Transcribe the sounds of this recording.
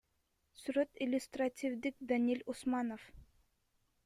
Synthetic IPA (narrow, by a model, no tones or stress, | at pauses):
syɾøt̪ɪlʲʊst̪ratʲɪvd̪ik̚d̪anʲilʲʊsmɑnof